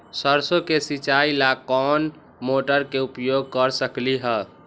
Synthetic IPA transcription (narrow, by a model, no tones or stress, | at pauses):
səɾsokesit͡ʃailakɔn | moʈəɾkeupjoɡ̚ʱkəɾsəkliɦə